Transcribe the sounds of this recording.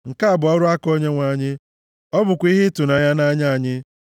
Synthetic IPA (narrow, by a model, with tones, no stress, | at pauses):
ŋ̩˨ka˦a˨bʊ˨ɔ˦ɾʊ˦a˦ko˦ɲe˦ŋʷa˨ɲɪ˦ | ɔ˦bʊ˨kʷi˦ɦɪ˦tʊ˨na˨ja˦na˦ɲa˦˨ɲɪ˦